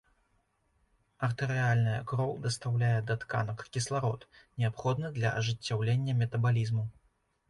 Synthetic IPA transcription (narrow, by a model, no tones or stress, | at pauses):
ɐrt̪ɨɾɨalʲnɐjɐ̰kɾɔwd̪ɐst̪awlʲajɛd̪ɐt̪ka̰nɐkkʲislˠaɾɔt̪nʲɛapxɔd̪nɨd̪lʲɐʔɐ̰ʐɨt͡sʲːawlʲenʲːɐmʲɛt̪ɐbalʲizmu